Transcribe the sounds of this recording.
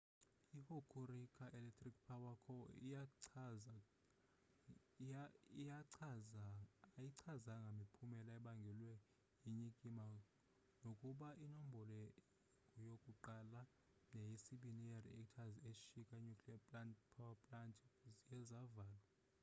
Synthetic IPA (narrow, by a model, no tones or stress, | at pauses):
ihokʰuɾikʰʼaʔɛlɛk̚tʰrik̚pʰawakʰɔ | ijaǀʰ | jiǀʰazaŋɡʱamipʰumɛlaɛɓaŋɡʱɛlwɛ | jiɲikʼima | nokʼuɓaʔinom̩bʱɔlɛ | ŋujokʼuǃala | nejisiɓinieriɛktʰazeʃikʼaiɲukʰʼliapʼlantpʰawapʼlantʰʼzijɛzavaːlwa